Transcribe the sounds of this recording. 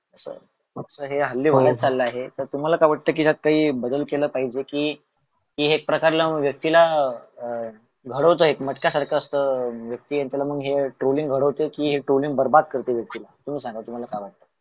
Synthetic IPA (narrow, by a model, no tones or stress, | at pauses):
əsə̰ | məksəɦeɦəlːiːʋəɭjat̪̚t͡salːəaɦet̪əɾt̪um̤alakaʋaʈ̚t̪əːk̬iːat̪̚kaɦiːbəd̪əlkeləːpaɦid͡ʑekiː | kiɦek̚pɾəkaɾlaməɡʋjək̚t̪ila | ɡʱəɽəʋt͡s̪əɦet̪məʈkjasaɾkʰaəst̪əʋjək̚t̪iːant̪jalaməɡɦeʈɾoliŋɡʱəɽəʋt̪ekiːɦeʈɾoliŋɡ̚bəɾbad̪̚kəɾt̪eʋjək̚t̪ilat̪um̤iːsãŋɡat̪um̤alakaʋaʈ̚t̪əː